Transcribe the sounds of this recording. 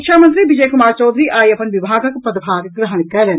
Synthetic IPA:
kʃaːmɐnt̪ɾiʋid͡ʒɐjkumaːɾt͡ʃɐːd̪ɾiʔaːjɐpɐnʋibʱaːɡɐkpɐd̪bʱaːɡɡɾɐɦɐɳikːɐːlɐn

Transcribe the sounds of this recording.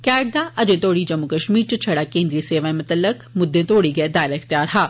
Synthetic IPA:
kɛːɖ̚d̪aʔɐd͡ʒẽt̪oːɽid͡ʒɐmːukɐʃmiːɾt͡ʃət͡ʃʰɐɽaːkẽːnd̪ɾiiseːʋaːẽmʊt̪əlːəkmʊd̪ːẽt̪oːɽiɡɐed̪aːɪlaɪxt̪jaːɾɦaː

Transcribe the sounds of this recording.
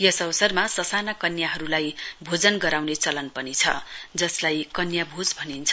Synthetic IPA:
jʌsʌbʌsʌrmasʌsanakʌnjaɦʌɾulajbʱod͡zʌnɡʌɾawnet͡sʌlʌnpʌnit͡sʰʌ̰d͡zʌslajkʌnjabʱod͡zbʱʌnint͡sʰʌ

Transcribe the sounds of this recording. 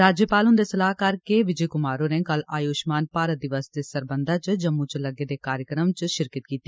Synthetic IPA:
ɾaːd͡ʒjəpaːlɦʊ̃nd̪esəlaːɦkaɾkeʋɪd͡ʒeːkʊmaːɾonẽːkəlaːjoːʃmaːnpaːɾət̪̚d̪ɪʋəsd̪eːsəɾbənd̪ʱat͡ʃd͡ʒəmːut͡ʃləɡed̪eːkaːɾjəkɾəmt͡ʃʃɪɾkət̪̚kiːt̪ːi

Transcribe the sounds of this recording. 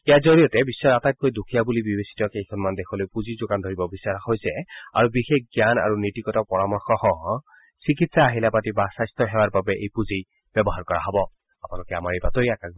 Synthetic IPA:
ɛjazoɹijɔtɛbisːɔɹatat̚kojdukʰijabulibibesi̥tɔkejkʰɔnmandekʰɔlojpuzizokand̪ʱoɹibɔbisːaɹxojsɛa̰ɹubixekɡjana̰ɹunitikɔtɔpɔɹamɔɹxɔhɔ̃ɦɔ̃ | sikitsaːɦilapatibasajstɔɦɛwaɹbabɛʔḛjpuzij | b̥jɛbɔɦaɹkɔɹa̰ɦɔbɔ | apnalɔkɛamaɹejbatɔɹiaka

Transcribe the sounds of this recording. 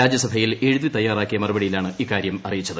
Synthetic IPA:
aːd͡ʑjɐsɐbʱɐjile̞ɻuðit̪ɐjːaːraːkːijɐmɐrubɐɽijilaːɳɨiːkːaːɾjɐmɐrijit͡ɕːɐðɨ

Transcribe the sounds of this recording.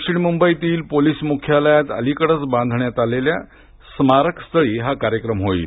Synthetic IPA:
kʂiɽmumbəit̪iːlpoliːsmukʰjaləjat͡sə̰likəɽət͡sbãnd̪ʱɳjat̪alelja | smaɾəkst̪ʰəɭiːɦakaɾjəkɾəmɦoḭːt̪

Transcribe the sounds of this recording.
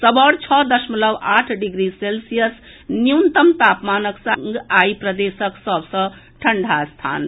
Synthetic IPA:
səbəɽt͡ʃʰɔd̪əsmələbaʈʰɖiɡɾiselsijəs | nijunt̪əmt̪apmanəksə̃ŋɡaipɾəd̪esəksəbʱsʌ̃ | ʈʰəɳɖʱast̪ʰa̰n

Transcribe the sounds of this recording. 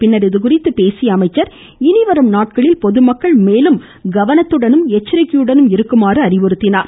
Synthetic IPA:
pɪnːɐɾɪðɯk̬ʊrɪt̪ːɯpeːsɪjɐːmɐɪt͡ʃːɐɾ | ɪnɪʋɐɾɐmnaːʈ̚kɐɭɪlpɔðɯmɐkːɐɭmeːlɯm | ɡɐʋɐnɐt̪ːɯɽɐnɯmɛt͡ʃːɪɾɐkːɪjɯɽɐnɯmɪɾɯkːɯmaːrɯɐɾɪʋɔɾɯt̪ːɪnaːɾ

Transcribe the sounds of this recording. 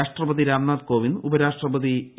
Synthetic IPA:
aːʂʈrɐʋɐd̪iɾaːmnaːd̪koːʋinubɐɾaːʂʈrɐʋɐði

